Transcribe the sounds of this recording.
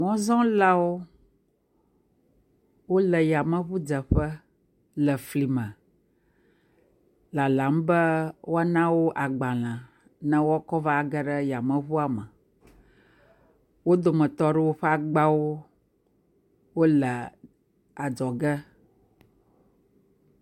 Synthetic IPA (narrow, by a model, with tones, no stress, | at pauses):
mɔ̃˦zɔ̃˦la˦wo˦ | wo˦lə˨ja˨mə̃˦βu˦d͡ʒə˨ɸə˦ | lə˨fli˨mə̃˨ | la˨la˨˦m˦bə˦wo˦a˦nã˦wo˦ʔa˨ɡ͡ba˨l̃ã˨ | nə̃˦wo˦a˦kɔ˦va˦˨ɡə˦ɖə˦ja˨mə̃˦βu˦a˨mə˨ | wo˦d̪o˨mə̃˨t̪ɔ˦ɖɛ˦wo˦ɸɛ˦a˨ɡ͡ba˦wo˦ | wo˦lə˨ | a˨d͡ʒɔ˨ɡɛ˦